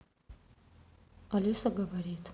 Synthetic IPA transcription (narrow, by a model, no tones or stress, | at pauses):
alisaɡabaɾetʰʼ